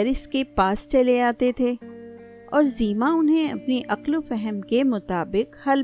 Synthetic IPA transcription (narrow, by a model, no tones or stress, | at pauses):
ɾɪskepaːst͡ʃɐleaːt̪et̪ʰeː | ɔːɾziːmãʊnɦẽɐ̰pniʔɐqlofɛɦəmkemʊt̪aːbɪqhɐl